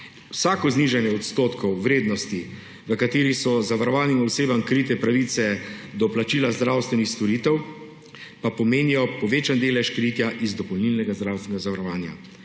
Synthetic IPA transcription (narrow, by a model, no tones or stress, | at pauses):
wsaːkɔzniʒɛnjɛɔt̪st̪oːt̪kɔwːɾeːd̪nɔst̪i | ʋəkat̪eːɾisɔzaʋaɾɔʋaːnimɔseːbamkɾit̪ɛpɾaʋit̪sɛd̪ɔplat͡ʃiːlazd̪ɾawst̪ʋɛnixst̪ɔɾiːt̪ɛw | papɔmeːnijɔpɔʋeːt͡ʃand̪eːlɛʃkɾiːt̪jaʔizd̪ɔpɔwnilnɛɡazd̪ɾawst̪ʋɛnɛɡazaʋaɾɔʋaːnja̰